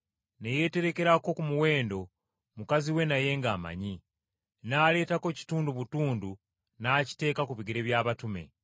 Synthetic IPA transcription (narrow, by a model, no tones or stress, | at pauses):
neje̞te̞ɾe̞ke̞ɾako̞kumuwe̞ːndo̞ | mukaziwe̞naje̞ŋɡaːma̰ɲi | naːle̞ːtako̞ci̥tuːnduβutuːndu | naːci̥te̞ːkakuβiɡiɾe̞βjaːβatume̞̰